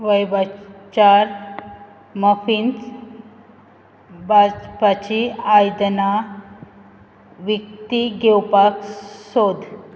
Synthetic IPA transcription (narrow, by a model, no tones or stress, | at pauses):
ʋəjbat͡ɕaɾ | məfint͡s | bapat͡ɕiajd̪na | ʋik̚t̪iɡewpaksod̪ʱ